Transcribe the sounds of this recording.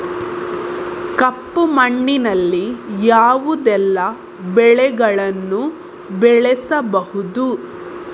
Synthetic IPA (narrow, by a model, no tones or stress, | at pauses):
kɐpːumɐɳːinɐlːijaːʋud̪ɛlːɐ | bɛɭɛɡɐɭɐnːu | bɛɭɛsɐbɐhud̪u